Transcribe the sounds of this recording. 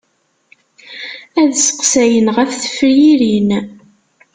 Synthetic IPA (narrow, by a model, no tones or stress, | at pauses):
æðsə̥qsæjənʁæθθə̥fɾjiɾin